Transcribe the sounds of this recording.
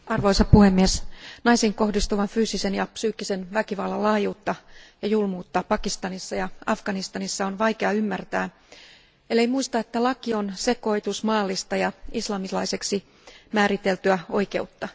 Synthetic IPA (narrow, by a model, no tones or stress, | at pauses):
ɑrʋo̞isɑppuhemːiesnɑjsiŋko̞hdist̪uʋɑnfyːsisenjɑpsyːkːise̞nʋækiʋɑlːɑlɑːjuːt̪ːɑjɑjulmuːt̪ːɑpɑkist̪ɑnisːɑjɑɑfɡ̥ɑnist̪ɑnisːɑonʋɑjkeɑymːært̪æː | elːeimuist̪ɑet̪ːælɑkio̞nse̞ko̞it̪usmɑːlːist̪ɑjɑislɑmislɑjse̞ksi | mæːɾit̪elt̪yæo̞jke̞ut̪ːɑ